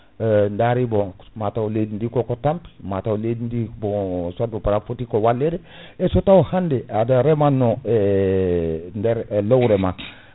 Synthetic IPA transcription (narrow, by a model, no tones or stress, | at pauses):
ndaɾibomatawledindikokotampi̥mataoledindibosʷat̚bopaɾafotikowalːeɾe | esotawohandeadaɾemanːoe | ndeɾlowɾema